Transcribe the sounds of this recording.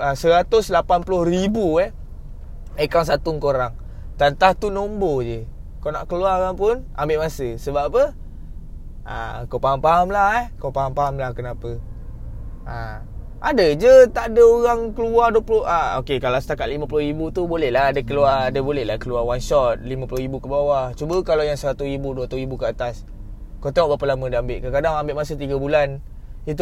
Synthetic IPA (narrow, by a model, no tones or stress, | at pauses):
asəɾat̪ʊslapanpulʊhribuɛh | ekawnsat̪uŋkoɾaŋ | t̪ant̪aht̪unombod͡ʒə | kana̰ʔkəluaɣaŋpʊnambɪʔmasəsəbapə | a̰kawpaɦampaɦamlaɦɛhkopaɦampaɦamlahkənapə | a | adəd͡ʒət̪aʔdəoɣaŋkəluarduwaploʔaokekalasət̪akat̪̚limãp̬ulʊɦɾibut̪ubolɛhlaadəkəluaadəbolɛhlahkəluawanʃɔt̪̚limãpuloɦɾibukəbawat͡ʃubəkalawjaŋsəɾat̪uɾibuduat̪uibukəat̪as | kot̪ɔʔbapəlamədəambeʔkəkadaŋambeʔmasət̪iɡabulan | it̪̬u